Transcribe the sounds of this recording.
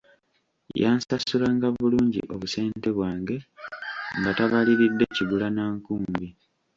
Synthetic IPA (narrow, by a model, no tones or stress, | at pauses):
jaːnsasulaːŋɡaβuluːɲɟḭʔo̞βuse̞ːnte̞βwaːŋɡe̞ | ŋɡataβaliɾidːe̞ciɡulanaːŋkuːmmbi